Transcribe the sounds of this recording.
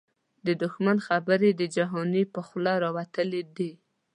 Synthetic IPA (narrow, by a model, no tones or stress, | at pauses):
d̪əd̪ʊxmanxabəɾed̪əd͡ʒaɦɔnipəxlaɾɑwat̪əled̪i